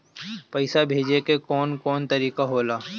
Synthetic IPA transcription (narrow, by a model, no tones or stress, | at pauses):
pɐɪsabʱeːd͡ʒekekɔːnkɔːnt̪ɐɾiːkaɦoːlaː